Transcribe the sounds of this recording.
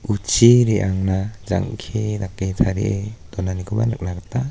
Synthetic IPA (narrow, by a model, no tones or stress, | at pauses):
ut͡ʃiɾiʔaŋnaza̰ŋkʰed̪akːejt̪ʰaɾḭʔed̥̪ɔnanikʰoba̰nɯk̚naɡat̪a